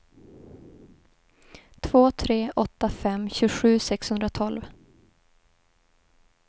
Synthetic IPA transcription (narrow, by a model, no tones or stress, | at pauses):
t̪ʰv̥oːt̪ʰɾeːʔɔt̪ːafɛmːɕʉ̟ːɧʉ̟ːsɛkshɵnd̪ɾat̪ʰɔlv